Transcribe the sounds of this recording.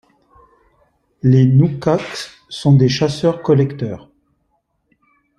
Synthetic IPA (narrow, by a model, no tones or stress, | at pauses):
lenukak | sɔ̃d̪eʃasœʁkɔlɛkt̪œːʁ